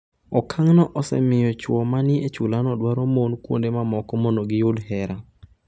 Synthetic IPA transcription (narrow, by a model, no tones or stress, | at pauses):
ɔkʰaŋnɔʔɔsɛ̰mɪjɔt͡ʃwɔmanɪet͡ʃulanɔdwaɾomonkwo̰ndemamɔkɔmondoɡɪjʊdhɛɾa